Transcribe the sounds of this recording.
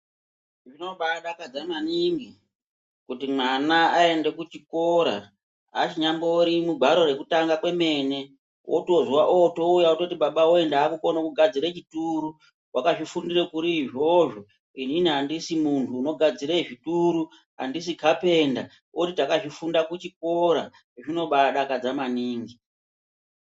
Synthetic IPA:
ʐino̞ɓaɗakad͡zamaniŋɡi | kutimwanaae̞nde̞kut͡ʃikoɾa̰ | at͡ʃiɲamboɾimuɡʱwaɾo̞re̞kutaŋɡakwe̞me̞ːne̞ | wʔo̰tozwaʔoto̞ujaoto̞tiɓaɓaoe̞ndakuko̞nokuɡʱad͡ziɾet͡ʃituɾu | wakaʐifundirekuɾiːʐo̞ʐo̞ | ininiɦandisimuntʰuːno̞ɡʱad͡ziɾeʐituɾu | a̰ndisikʰape̞nda | wotitakaʐifundakut͡ʃik̚o̞ɾa̰ | ʐino̞ɓaɗakad͡zamaniːŋɡi

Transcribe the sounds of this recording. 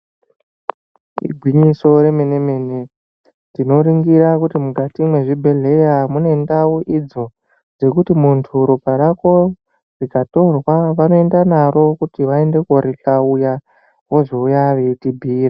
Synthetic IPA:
ḭɡʱwiɲiso̞ɾe̞mene̞me̞ne | tino̞ɾiŋɡiɾakutimukatimwe̞ʐibʱe̞ɮe̞jamunendawoʔid͡zo̞ | d͡ze̞kutimuntʰuɾopaɾako̞ | rikato̞rwaʋano̞e̞ndanaro̞kutiʋae̞nde̞koɾiɬauja | ɦoʐoujaʋetibʱiːra

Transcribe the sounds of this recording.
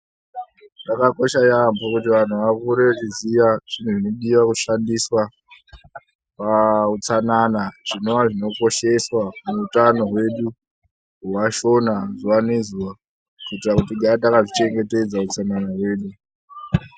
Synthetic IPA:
dakako̞ʃajambokutiʋan̤uʋakuɾet͡ʃizijaʐ̥in̤uʐino̞ɗiʋakuʃandiswa | paut͡sananaʐ̥ino̞ʋaʐino̞ko̞ʃe̞swamuutano̞ɦwe̞ɗu | uwaʃo̞nazuwanezuwa | kuitrakutiɡʱaatakaʐit͡ʃe̞ŋɡe̞te̞d͡zaut͡sananaɦwe̞ːɗu

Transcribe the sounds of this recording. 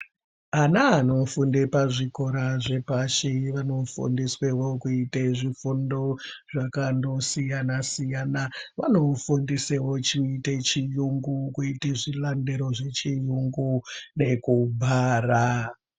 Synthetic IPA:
anaːno̞fundepaʐiko̞ɾaʐepaʃiʋano̞fṵndiswewo̞kuiteʐifundo̞ʐakando̞sijanasijanaʋano̞fundisewo̞t͡ʃiːte̞t͡ʃijuŋɡukuiteʐilande̞ɾo̞ʐe̞t͡ʃijuŋɡune̞kubʱaːra

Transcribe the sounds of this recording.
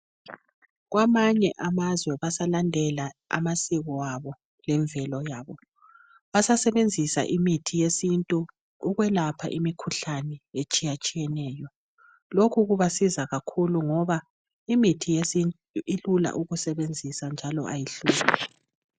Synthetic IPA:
ɣwamaɲɛʔamazwɛβasalandʱɛlaa̰masiɣɔwaβɔ | lɛɱvʱɛlɔjaːβɔ | βasasɛβend͡zʱisa̰ʔimitʰijesintʼuː | ɣwɛlapʰa̰ʔimikʰuɬanɛet͡ʃʼijat͡ʃʼijɛnɛjɔ | lokʰuɣuβasizaɣakʰuluŋɔβa | imitʰijein | ilula̰ʔuɣusɛβend͡zʱisand͡ʒʱalɔʔa̰jiɬuːlɛ

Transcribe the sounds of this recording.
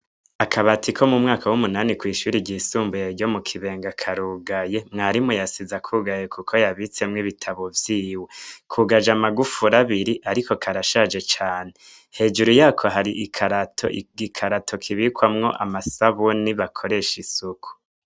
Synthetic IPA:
akʰaβatʰikʰo̞mumŋaːkawumunaːnikwiːʃuːɾiɟisuːmbujeɾɟo̞mukʰiβe̞ːŋɡakʰaɾuːɡaje̞mŋaːɾimujasizakʰuɡajekʰukʰo̞jaβit͡se̞mŋiβitʰaβovjiːwekʰuɡad͡ʒamaɡufuɾaβiɾiʔaɾiko̞kʰaɾaʃad͡ʒe̞t͡ʃaːne | he̞ːd͡ʒuɾujaːkʰo̞ɦaɾiʔikʰaɾatʰo̰ɡikʰaɾatʰo̞kʰiβikwamŋo̞ʔa̰masaβuniβakʰo̞ɾe̞ʃisukʰu̥

